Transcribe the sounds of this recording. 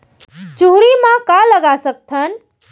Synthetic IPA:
d͡ʒuɦɾimãkaləɡasək̚t̪ʰən

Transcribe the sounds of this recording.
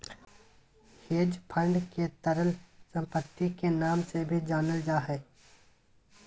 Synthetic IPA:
heːd͡ʒpʰə̃ɳɖket̪əɾəlsə̃mpət̪ːikenaːmsebʱid͡ʒaːnəld͡ʒaːɦɛː

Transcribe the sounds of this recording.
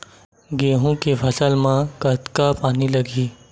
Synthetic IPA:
ɡeːɦũkepʰəsəlmãkət̪kapaːniləɡʱiː

